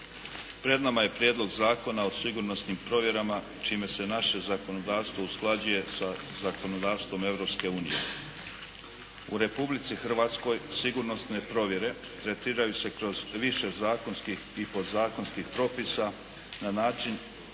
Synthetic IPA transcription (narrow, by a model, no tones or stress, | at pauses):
pɾe̞d̪namaje̞pɾjed̪lˠo̞ɡzaːko̞naosiɡuɾno̞snimpɾo̞ʋje̞ɾama | t͡ʃiːme̞se̞naʃe̞zako̞nod̪aːʋst̪vo̞usklˠad͡ʑuje̞sazako̞no̞d̪aːʋst̪vʋo̞me̞ʋɾo̞pske̞uːnḭje̞̰ | ṵɾe̞publit̪sixr̩ʋaːt̪sko̞jsiɡuɾno̞sne̞pɾo̞ʋje̞ɾe̞ | t̪ɾe̞t̪iːɾajuse̞kɾo̞zʋiʃe̞zaːko̞nskixipod̪zaːko̞nskixpɾo̞ːpisa | nanaːt͡ʃin